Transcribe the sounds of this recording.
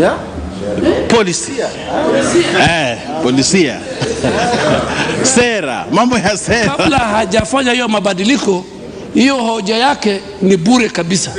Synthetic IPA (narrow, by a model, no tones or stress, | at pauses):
pɔlisi̥ | ɛ | pɔlisia̰ | sɛɾa̰mambɔjasɛkkaɾalahaʄafaɲahijɔmaɓaɗilikɔ | hijɔhɔʄajakɛ | nibuɾɛkabisa